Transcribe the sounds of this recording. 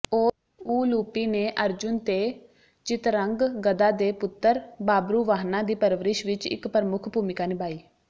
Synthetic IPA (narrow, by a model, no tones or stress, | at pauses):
oː | uːluːpiːneːʔəɾd͡ʒʊnt̪eː | t͡ʃɪt̪ɾəŋɡɡəd̪aːd̪eːpʊt̪ːəɾbaːbɾuːʋaːɦnãːd̪iːpəɾʋəɾɪʃʋɪt͡ʃɪ̰kpɾəmʊkʰbuːmɪkaːnɪbaːiː